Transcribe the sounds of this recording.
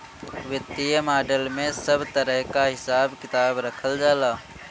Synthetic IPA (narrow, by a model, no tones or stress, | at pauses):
ʋɪt̪ijəmaːɖəlmẽsəbt̪əɾəɦkaɦɪsaːbkɪt̪aːbɾəkʰəld͡ʒaːlaː